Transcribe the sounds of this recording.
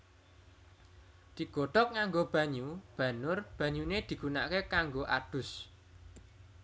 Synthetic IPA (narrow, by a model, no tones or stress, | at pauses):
d̪̥i̤ɡ̥oɖ̪̥ɔk̚ŋaŋɡob̥ä̤ɲub̥ä̤nʊrb̥a̤ɲuned̪̥i̤ɡ̥una̰ʔkekaŋɡoʔa̰d̥ʊ̤s